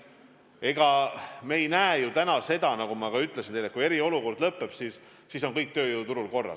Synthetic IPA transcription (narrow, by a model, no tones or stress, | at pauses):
e̞ɡ̥ɑmeejnæejut̪ænɑse̞d̪̥ɑnɑkumɑkɑyt̪ːˑlesint̪elet̚kuije̞ɾio̞luko̞rd̪̥lɤpːe̞b̥sis | siso̞nkɤjk̚t̪ø̞ːjuut̪uɾulko̞rːɑ̰